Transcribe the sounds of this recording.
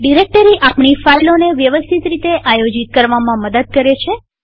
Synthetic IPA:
ɖiɾek̚ʈəɾiʔapɳifailoneʋjəʋəst̪ʰit̪ɾit̪eʔajod͡ʒit̪̚kəɾʋamãməd̪əd̪̚kəɾet͡ʃʰe

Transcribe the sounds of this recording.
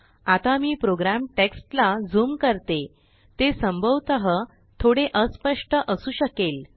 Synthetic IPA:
at̪amiːpɾoɡɾamʈeksʈlad͡zuːmkəɾt̪e | t̪esəmbʱəʋt̪əɦə | t̪ʰoɽeʔəspəʂʈəʔəsuːɕəkel

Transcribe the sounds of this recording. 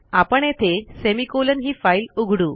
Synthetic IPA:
apəɳet̪ʰesemikolənɦiːfailuɡʱɽuː

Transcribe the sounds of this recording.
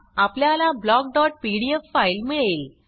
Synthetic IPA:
apljalablɔɡ̚ɖɔʈ̚piɽiefːailmiɭel

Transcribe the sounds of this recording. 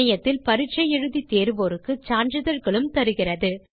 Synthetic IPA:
ɐjɐt̪ːɪlpɐɾɪʈ̚t͡ʃɐjɛɻɯðit̪eːɾɯʋoːɾɯkːɯt͡ʃaːɳd͡ʒɯðɐɾɣɐɭɯmt̪ɐɾɯɣɪrɐðɯ

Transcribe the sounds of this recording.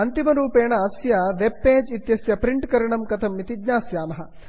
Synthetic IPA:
ɐnt̪imɐɾuːpeːɳɐːsjɐʋebːeːd͡ʒit̪jɐsjɐpɾiɳʈkɐɾɐɳɐmkɐt̪ʰɐmːit̪iɡɲaːsjaːmɐɦɐ

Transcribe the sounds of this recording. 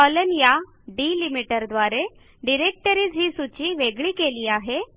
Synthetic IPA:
ɔlənja | ɖiːlimiʈəɾd̪ʋaɾe | ɖiɾek̚ʈəɾiːd͡zɦiːsut͡ɕiːʋeɡɭiːkeliːaɦe

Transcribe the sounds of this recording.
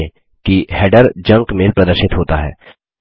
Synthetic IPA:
ẽ | kihɛːɖəɾd͡ʒɐ̃ŋkmeːlpɾɐd̪əɾʃɪt̪ɦoːt̪aɦɛ̰ː

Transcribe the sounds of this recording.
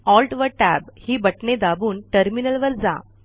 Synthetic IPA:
ɔlʈʋəʈæbhiːbəʈɳed̪abuːnʈəɾminəlʋəɾd͡za̰

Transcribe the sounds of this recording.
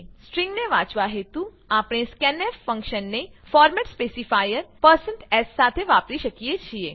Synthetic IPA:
sʈɾĩŋɡneʋãt͡ʃʋaɦet̪u | apɽ̃eskɛneffə̃ŋkʃənːefɔɾmɛʈspesifajəɾpəɾsəɳʈɛsːat̪ʰeʋapɾiʃəkijet͡ʃʰie

